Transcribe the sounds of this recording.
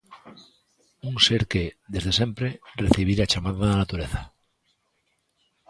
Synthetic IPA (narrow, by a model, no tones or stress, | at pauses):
uŋseɾkeðe̞zðe̞sẽ̞mpɾereθiβ̞iɾat͡ʃamaðaðanat̪uɾeθa